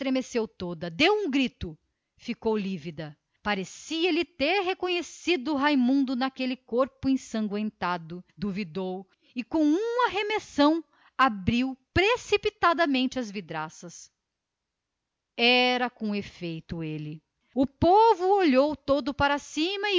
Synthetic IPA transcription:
st̪ɾemesewt̪od̪ɐd̪ewũɡɾit̪ʊ | fikowlivid̪ɐ | paɾesiɐlɪt̪eɾɦekõɲesid̪ʊɦajmũnd̪ʊnakelɪkoɾpʊẽsɐ̃ŋɡwẽnt̪ad̪ʊd̪uvid̪ow | ɪkõw̃ũmɐɦemesɐ̃w̃ | abɾiwpɾesipit̪ad̪ɐmẽnt͡ʃɪɐzvid̪ɾasɐs | ɛɾɐkõefejt̪ʊelɪ | ʊpovʊoʎowt̪od̪ʊpaɾasĩmɐ

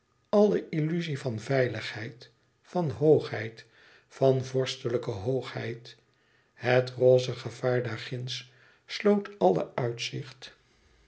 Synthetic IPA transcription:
ɑlˠəʔilyzivɑnvɛjləχhɛjt | fɑnɦowχɦɛjt | fɑnvɔɹstələkəɦowχhɛ̰jt | hətroːzəχəv̥aːɹdaɹχɪns | slowtɑlˠə̰œɥtsɪχt

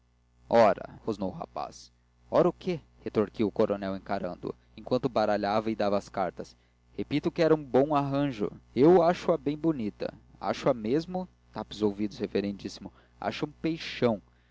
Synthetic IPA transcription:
ɔɾɐ̰hoznowʊɦa̰pa̰s | ɔɾɐʊkʰe | het̪oɾkiwʊkoɾonɛwẽj̃kaɾɐ̃nd̪ʊ̰ | ẽkwɐ̃nt̪ʊbaɾaʎavɐɪd̪avɐːskaɾt̪ɐs | hepit̪ʊkɪɛɾɐũbõw̃aɦɐ̃ʒʊ̰ewaʃʊɐbẽj̃bonit̪ɐ̰a̰ʃʊɐmezmʊ | t̪apɪzowvid̪ʊsheveɾẽnd͡ʒisimʊ | a̰ʃɐũpejʃɐ̃w̃

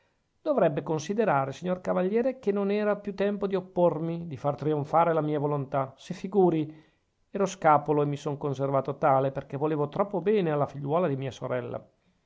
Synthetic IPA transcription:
d̪̥ovɾɛbːekonsid̪eɾaːɾesiɲːorkavaʎːjɛːɾekenːonɛːɾapjut̪ːɛmpod̪iopːormid̪ifart̪ɾioɱfaːɾelamiːavolont̪asefːiɡuːɾi | ɛːɾoskaːpoloemːisoŋkonservaːt̪ot̪aːleperk̟evoleːvot̪ɾɔpːobɛːnealːafiʎːwɔːlad̪imiːasoɾɛlːa̰

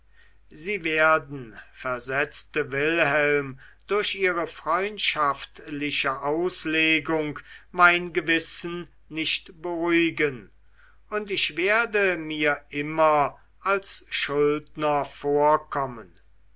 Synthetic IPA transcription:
ziːveːɐdn̩fɛɐzɛt͡stəvɪlhɛlmdʊɐɕʔiːʁəfʁ̥ɔʏntʃaftlɪʃəʔaʊsleːɡʊŋkmaɪnɡəvɪsn | nɪʃtb̥əʁuɪɡən | ʊntɪʃv̥eːɐdəmiːɐʔɪmɐ | ʔalsʃʊldnɐfoːɐkʰɔmən

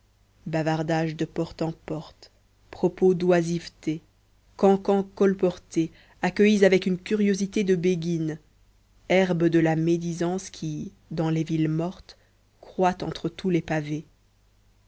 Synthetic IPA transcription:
bavaʁd̪aʒd̪əpɔʁt̪ɑ̃pɔʁt̪ | pχɔpod̪wazivt̪e | kɑ̃kɑ̃kɔlpɔʁt̪e | akʲəizavɛkynkʲyʁjozit̪ed̪əbeɡʲin | ɛʁbəd̪əlamed̪izɑ̃skʲʰi | d̪ɑ̃levilmɔʁt̪ | kχwat̪ɑ̃t̪χət̪ulepave

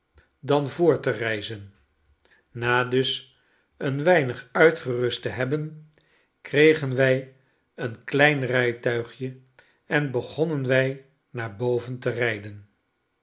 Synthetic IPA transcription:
dɑnvʊːɹtərɛjzən | naːdɵs | ənʋɛjnəχœɥtχərɵstəɦɛbən | krejχənʋɛj | ənklɛjnrɛjtœɥχjə | ɛnbəχɔnənʋɛj | naːɹbowvəntərɛjdən

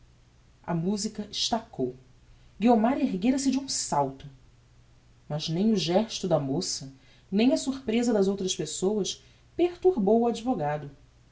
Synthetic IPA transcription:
ɐ̰muzikɐʔɪʃt̪akow | ɡiomaɾeɦɡeɾɐsɪd͡ʒɪũsawt̪ʊ | mɐznẽj̃ʊʒɛʃt̪ʊd̪ɐmosɐ | nẽj̃ɐsuχpɾezɐd̪ɐzowt̪ɾɐspesowɐʃ | peχt̪uɾbowʊad͡ʒivoɡad̪ʊ

